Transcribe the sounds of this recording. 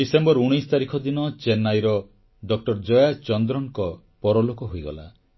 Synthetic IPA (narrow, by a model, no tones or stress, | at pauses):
isembɔɾuɽ̃ijst̪aɾikʰɔd̪inɔt͡ʃenːajɾɔ | ɖɔk̚ʈɔɾd͡ʒɔjat͡ʃɔnd̪ɾɔŋkɔ | pɔɾɔlokɔɦojɡɔ̰la̰